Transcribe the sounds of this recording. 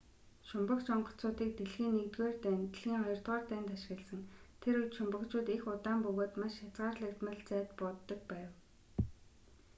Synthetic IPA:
ʃʊmpə̆kt͡ɕɔɴɢɞ̥̆t͡sʊːt̪iːk̚t̪eɮxiːnːekt̪ɡoːrt̪æːnt̪ɮxiːŋχɔjɞ̆r̥t̪ʁɔːrt̪æːnt̪aʃ̆ɣʲɪ̆ɮsə̆ŋt̪ʰeɾut͡ɕʃʊmpə̆kt͡ɕʊːt̪exʊt̪aːmpɵɣoːt̪maʃjat͡sɢaːrɮə̆kt̪mə̆ɮt͡sæːt̪pɔt̪ːɞ̆k̚pæːw

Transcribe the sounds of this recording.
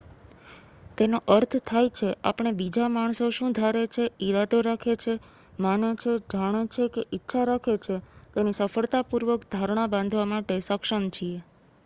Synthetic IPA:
t̪enoʔəɾt̪ʰt̪ʰajt͡ʃʰea̰pəɽ̃ebid͡ʒamaɳ̃soʃũd̪ʱaɾet͡ʃʰeiɾad̪oɾakʰet͡ʃʰe | manet͡ʃʰed͡ʒʱaɽ̃et͡ʃʰekeʔitːʃʰaɾakʰet͡ʃʰet̪enisəfəɭt̪apuɾʋəkd̪ʱaɾɳ̃abãnd̪ʱʋamaʈesəkʃəmt͡ʃʰie

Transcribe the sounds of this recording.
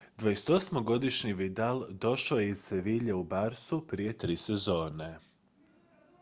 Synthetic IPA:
d̪vʋajese̥t̪o̞smoɡo̞d̪iʃɲiʋid̪ald̪o̞ʃojeiz̥seʋiːʎeubaɾsupɾije̞t̪ɾiːsezo̞ːne

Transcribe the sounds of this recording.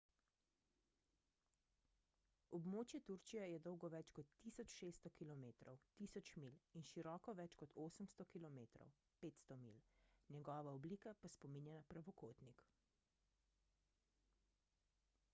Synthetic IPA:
ɔbmoːt͡ʃjɛt̪uɾt͡ʃijɛjɛd̪ɔwɡɔʋɛt͡ʃkɔt̪ːiːsɔt͡ʃʃeːst̪ɔkilɔmeːt̪ɾɔ̰wt̪iːsɔt͡ʃmilinʃiɾɔːkɔʋɛt͡ʃkɔt̪ʰoːsəmst̪ɔkilɔmeːt̪ɾɔ̰w | peːt̪st̪ɔmḭlnjɛɡɔːʋaɔbliːkapaspɔminjɛnapɾaʋɔkoːt̪nik

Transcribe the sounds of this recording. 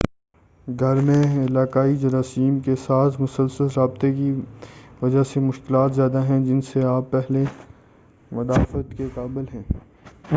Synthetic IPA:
ɡʱɐɾmẽɪlaːkaːid͡ʒɐɾaːsiːmkesaːt̪ʰmʊsəlsəlɾaːbt̪ekiʋɐd͡ʒasemʊʃkɪlaːt̪zjaːd̪aɦɛ̃d͡ʒɪnseaːpːɛɦle | mɐd̪aːfət̪kekaːbɪlɦɛ̃ː

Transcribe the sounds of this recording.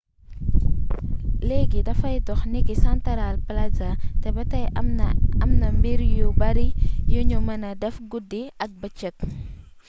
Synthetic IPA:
leɡidɐfɐjtɔxnikisɐntɐɾalplɐzɐtɛbɐtɐj | ɐmnɐmbiɾjubɐɾijuɲumɐnɐdɛfɡudːiɐk̚bɐt͡ʃːɐt̚

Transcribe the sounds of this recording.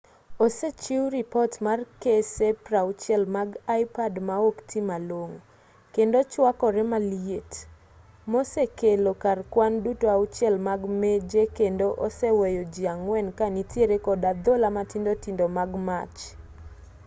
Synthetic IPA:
oset͡ʃiwɾipɔtmarkesepɾaʊt͡ʃjɛlmaɡajpadmaoktʰimaloŋ | kendot͡ʃwakɔɾɛmaliet | mosekelokarkwandutoaut͡ʃɛlmaɡmed͡ʒekendoʔosɛwejod͡ʒiaŋwɛnkanitjeɾekɔdad̪olamatindotindomaɡma̰t͡ʃ

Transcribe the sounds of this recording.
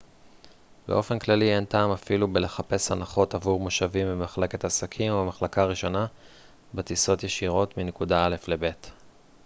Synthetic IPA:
bḛo̞fe̞nklalie̞ntaːmafilubele̞χape̞shanaχo̞tavuʁmoʃavimbemaχle̞ke̞tasakʰimobemaχlakaʁiʃo̞na | betiso̞tjeʃiʁo̞tminekudaale̞fle̞be̞t

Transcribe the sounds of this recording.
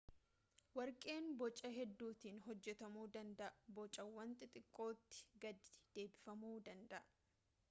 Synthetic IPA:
wɐɾkʼe̞ːnbɔt͡ʃʼːɐɦɛd̪ːuːt̪iːnɦɔd͡ʒːɛt̪ɐmuːd̪ɐnd̪ɐʔbɔt͡ʃʼɐwːɐnt̪ʼɪt̪ʼɪkʼːo̞ːt̪ːɪ̥ɡɐd̪ɪ̥d̪̥e̞ːbɪfɐmuːd̪ɐnd̪ɐʔ

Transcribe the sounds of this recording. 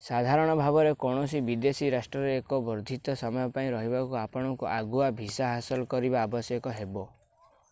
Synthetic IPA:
sad̪ʱaɾɔɽ̃ɔbʱabɔɾekɔɽ̃ɔsibid̪esiɾasʈɾɔɾeːkɔbɔɾd̪ʱit̪ɔsɔmɔjɔpaĩɾɔɦibakuapɔɽ̃ɔŋkuʔaɡuabʱisaɦasɔlɔkɔɾibaːbɔsjɔkɔɦebɔ

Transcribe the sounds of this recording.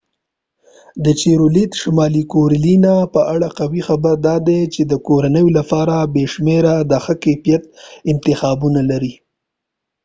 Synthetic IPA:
d̪ət͡ʃeɾolit̪ʃamɑlikoɾlinapəʔaɽaqawixabəɾd̪ɑd̪et͡ʃed̪əkoɾanəjolapɑɾabeʃmeɾad̪əxəkepijat̪̚ɪnt̪ɪxɑbunalaɾi

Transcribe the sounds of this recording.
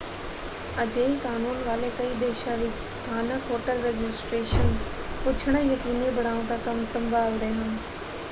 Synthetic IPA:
ɐd͡ʑekaːnuːnʋaːlekɐid̪eːʃaʋɪt͡ɕɪ̥st̪ʰaːnəkoːʈəlɾeːd͡ʑɪsʈɾeːʃən | pʊt͡ɕʰəɽ̃əjɐkiːnibʱɐɽ̤̃aːũt̪akɐmsɐ̃mbʱaːlɾɐɦʊn̆

